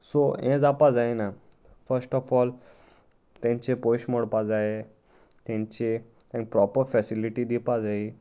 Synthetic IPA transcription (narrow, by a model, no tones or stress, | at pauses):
soɛ̃d͡zapad͡zajna | fəɾsʈɔfɔl | t̪ɛ̃ɲt͡ɕepoɕmɔɽpad͡zaje | t̪ɛ̃ɲt͡ɕe | ɛ̃ŋɡpɾɔpəɾfɛsiliʈid̪ipad͡zai